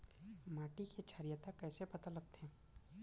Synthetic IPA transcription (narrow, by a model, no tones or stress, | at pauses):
maːʈiket͡ʃʰəɾijət̪akɛːsepɐt̪alɐɡ̚t̪ɦɛ̃ː